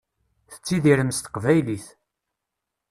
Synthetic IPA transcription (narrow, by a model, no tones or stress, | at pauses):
θə̥t͡sːiðiɾəmst̪ə̥qvæjliθ